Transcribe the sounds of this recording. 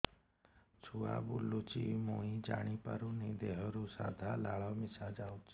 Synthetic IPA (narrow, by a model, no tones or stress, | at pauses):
t͡ʃʰua̰bulːut͡ʃḭmoːĩd͡ʒa̰ːɽ̃ipə̰ɾunĩd̪eɦɔɾusa̰ːd̪ʱaːlaːɭaːmɪsad͡ʒaːut͡ʃː